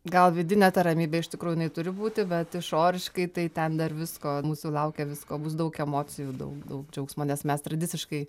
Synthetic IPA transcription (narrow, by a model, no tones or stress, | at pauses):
ɡɐlˠʋʲɪd̪ʲɪnʲɛːt̪ɐɾɐmʲiːbʲɛːɪʃt̪ʲɪkɾuːʊjɪnɐɪt̪ʊɾʲɪbuːt̪ʲɪbʲɛt̪ɪʃoːɾʲɪʃkɐɪt̪ɐɪt̪ʲɛnd̪ɐrʋʲɪskoːmuːsʊlˠɐʊkʲɛːʋʲɪskoːbʊs̬d̪ɐʊkɛmoːt͡sʲɪjud̪ɐ̰ʊkd̪ɐʊkd͡ʒʲɛʊksmoːnʲɛsmʲɛst̪ɾɐd̪ʲɪt͡ssʲɪʃkɐɪ